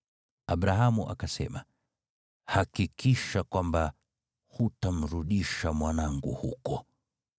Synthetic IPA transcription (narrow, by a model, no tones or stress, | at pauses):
aɓɾaɦamuʔa̰kasɛ̰ma | hakikiʃakwamba | hutam̩ɾuɗiʃamwanaŋɡṵhṵkɔ